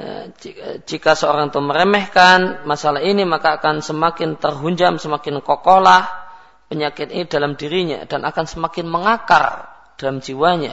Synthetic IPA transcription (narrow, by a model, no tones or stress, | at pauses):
d͡ʒikasəoɾaŋt̪uməɾemɛhkanmasalaɦinimakaːkansəmakɪnt̪ərɦuɲd͡ʒamsəmakɪnkokolah | pəɲakɪt̪inidalamdiɾiɲa̰d̥anʔakansəmakɪnməŋaka̰r | d̥alamd͡ʒiwaɲa̰